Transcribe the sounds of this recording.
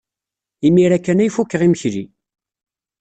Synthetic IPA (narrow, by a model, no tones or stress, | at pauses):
imiɾækːænæjfukːəʁiməçɾḭ